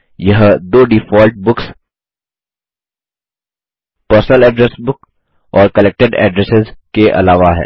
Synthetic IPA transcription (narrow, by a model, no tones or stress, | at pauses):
jɐɦd̪oːɖifɔːlʈ̚bʊks | pəɾsnəlɛːɖɾɛsbʊk | ɔːɾkɐleːk̚ʈɪɖɛ̰ːɖɾɛsɪzkeʔɐ̰laːʋaɦɛ̰ː